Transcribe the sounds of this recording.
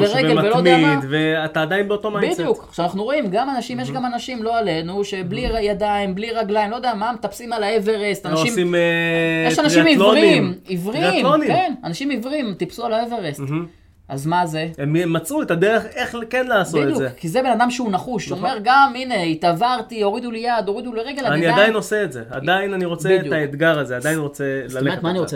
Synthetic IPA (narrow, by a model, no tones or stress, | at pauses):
beʁeɡavelomeaad̪veat̪aːd̪ajinbeot̪omabidijukkχʃeanaχnuʁo̞imɡamanaʃimjeʃɡamanaʃimlo̞ale̞nuʃe̞bliʁjad̪aimbliʁaɡlaimlod̪eamamet̪apsimalaeveʁest̪anaʃʃimimejeʃanaʃimilvoʁiimivʁimonikenanaʃimivʁimt̪ipsualaeveʁest | ʔa̰zmaze̞ememat͡suet̪ad̪eʁeχeχkenlaːsbot̪ejuzekʰːizebe̞nad̪amʃeunaχuʃome̞ʁɡamine̞it̪avaʁt̪io̞ʁid̪ulejad̪o̞ʁid̪uleʁeɡe̞lanaianiaddajinoseetzea̰d̪ainaniʁo̞t͡seidjutaed̪ɡaʁazead̪ajinʁo̞t͡selaletmaniʁoe